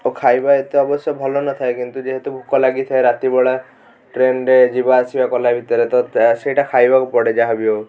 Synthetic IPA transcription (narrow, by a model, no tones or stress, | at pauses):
okʰajbaet̪eɔbɔsjɔbʱɔlɔnɔt̪ʰaekint̪ud͡ʒeɦet̪ubʱukɔlaɡit̪ʰaeɾat̪ibɔɭa | ʈɾeɳɖed͡ʒibaːsibakɔlabʱit̪ɔɾet̪ɔsejʈakʰajbakupɔɽed͡ʒaɦabio